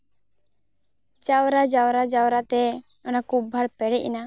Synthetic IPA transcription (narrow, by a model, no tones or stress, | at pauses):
t͡ʃawɾad͡ʒawɾad͡ʒawɾat̪ɛ | ɔnakub̚bʱaɽpɛɽɛc̚ḭna